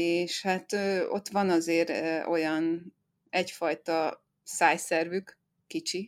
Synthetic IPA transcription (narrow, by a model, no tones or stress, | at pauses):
eːʃhat̪øːo̞̰t̪ːʋɒnɒzeːɾo̞jɒn | ɛcfɒjt̪ɒ | saːjsɛrvykː | it͡ʃi